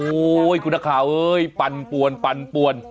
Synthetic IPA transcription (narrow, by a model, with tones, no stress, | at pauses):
o˦jkʰu˧nːa˧kʰaː˨˩˦wʔɤː˦˥jpa˧npu˨˩ənpa˧npu˨˩ən